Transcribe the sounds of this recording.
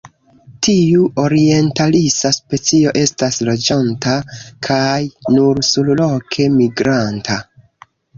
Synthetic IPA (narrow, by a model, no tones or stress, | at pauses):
tʰiuʔo̞ɾie̞ntalisaspe̞t͡sio̞ʔe̞staslo̞d͡ʒantakʰajnuɾsullo̞kʰe̞miɡɾantʰa